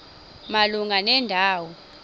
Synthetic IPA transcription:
maluŋʱanɛndʱaːwɔ

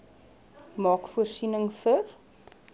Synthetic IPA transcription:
mɑːkfuərsinəŋfər

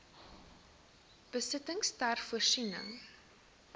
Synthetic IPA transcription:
b̥əsətəŋstærfuərsinə̰ŋ

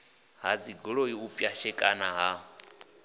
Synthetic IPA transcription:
ɦad͡ziɡɔɺɔiupʼjaʃɛkʼanaɦa

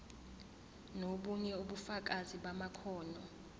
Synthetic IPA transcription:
noɓuɲɛuɓufak̬aziɓamakʰɔːnɔ

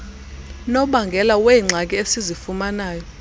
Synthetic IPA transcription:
nɔɓaŋɡʱɛlawɛiŋ͡ǀʱak̬ʼiesizifumanaːjɔ

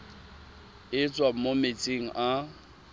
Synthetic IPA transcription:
ɪt͡sʼwamomet͡sʼeŋ̩ʔa

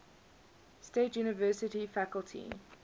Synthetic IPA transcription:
stetjuːnɪvɜːˑsɪtifakəlˠtʰḭ

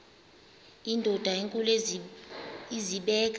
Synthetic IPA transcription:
indʱɔd̥ʱaeŋkʼul | iziɓɛːk̬ʼ

